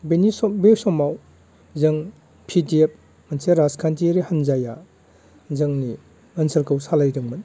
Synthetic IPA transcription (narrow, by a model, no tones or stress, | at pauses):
benisbewsɔmaw | zɐŋ | pʰidiep̚ | mɐnseɾaskʰantiɾihɐnzaja | zɐŋni | ɐnsɐɾkʰɐwsalajdɯŋmɐn